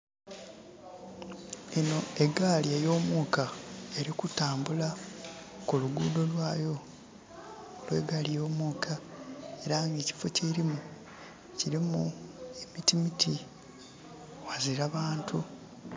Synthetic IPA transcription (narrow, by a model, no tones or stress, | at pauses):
eno̞e̞ɡaliejo̞ːmuːkae̞ɾikutaːmbula | kuluɡuːdo̞lwaːjo | lwe̞̰ːɡaːlijo̞ːmuːkʰae̞ɾaːŋɡe̞ːci̥fo̞ceɾimu | ciɾimue̞mitimitʰi | waziɾaβaːntʰu